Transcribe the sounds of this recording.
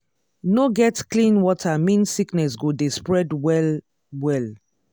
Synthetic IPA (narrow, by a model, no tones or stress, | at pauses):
noɡɛtklĩnwɔtʰamĩnsiknɛsɡodespɹɛdwɛl | wɛl